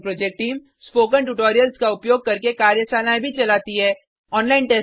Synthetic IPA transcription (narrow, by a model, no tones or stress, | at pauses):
pɾɔːd͡ʒek̚ʈiːm | spoːkə̃ɳʈuʈoːɾijəlskaʊpjoːɡ̚kɐɾkekaːɾjəsaːnãːbʱit͡ʃɐlaːt̪iɦɛː | ɔːnlaːɪnʈeː